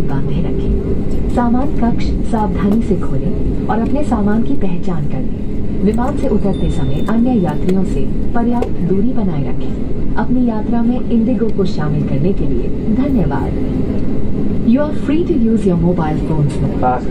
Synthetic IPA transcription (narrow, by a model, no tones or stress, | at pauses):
bãːd̪ʱẽɾɐkʰẽːsaːmaːnkɐkʃsaːʋd̪ʱaːnisekʰoːlḛ̃ | ɔːɾɐpnesaːmaːnkipɛɦt͡ʃaːnkɐɾḛ̃ | ʋɪmaːnseʔʊt̪əɾt̪esɐməjʔɐnjəjaːt̪ɾijõsepɐɾjaːpt̪d̪uːɾibɐnaːiɾɐ̰kʰẽ | ɐpnijaːt̪ɾamẽɪ̃nd̪ɪɡõkoʃaːmɪlkɐɾnekeliḛd̪ʱɐnjəʋa̰ːd̪ | juaːɾfɾiːʈujuːzjɔːmoːbaːɪlfoːnsmʊaː